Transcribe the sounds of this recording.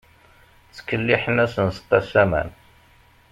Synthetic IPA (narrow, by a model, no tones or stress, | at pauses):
t͡sːə̥kːəlːiħənæsənsə̥q̪ːæsæmæ̰n